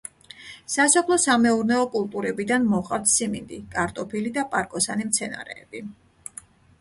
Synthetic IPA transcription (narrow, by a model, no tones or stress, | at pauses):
sasɔpʰlˠɔsamɛuɾnɛɔkʼulˠt̪ʼuɾɛbid̪anmɔχʼat̪ʰsimḭnd̪ikʼaɾt̪ʼɔpʰilid̪apʼaɾkʼɔsanimt̪sʰɛna̰ɾɛ̰ːb̥i